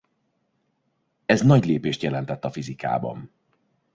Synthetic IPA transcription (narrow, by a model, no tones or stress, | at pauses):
ɛznɒɟleːpeːʃt̪jɛlɛnt̪ɛt̪ːɒfizika̰ːbɒ̰n